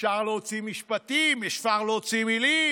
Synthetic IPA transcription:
ʃaʁleot͡simiʃpat̪imeʃfaʁloot͡simili

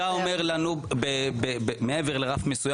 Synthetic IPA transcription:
aome̞ʁlanubebebemeeveʁleʁafmesuja

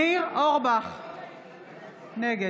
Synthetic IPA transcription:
iʁoʁbaχ | nɛɡe

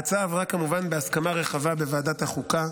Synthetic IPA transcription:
at͡savʁakːamuvanbe̞askamaʁe̞χavabe̞vaːd̪at̪haχuka

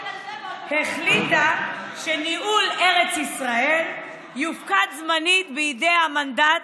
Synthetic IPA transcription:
heχlit̪aʃeniʔule̞ʁet͡sisʁae̞l | jufkat̪zmanit̪bejid̪ejhamand̪at

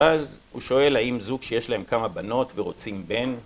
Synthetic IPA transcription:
azhṵʃo̞e̞laimzuɡʃejeʃlae̞mkamabano̞tveʁo̞t͡simbe̞n

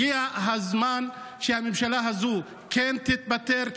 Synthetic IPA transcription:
iaɦazman | ʃehamemʃalaɦazu | kent̪it̪̚bat̪eʁ

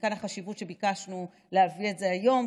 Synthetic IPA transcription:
kanaχaʃivutʃe̞bikaʃnu | leavie̞tze̞ajo̞m

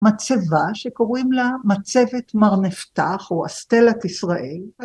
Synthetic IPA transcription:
mat͡sevaʃeko̞ʁimlamat͡se̞ve̞tmaʁneft̪aχoa̰st̪elakisʁaʔel

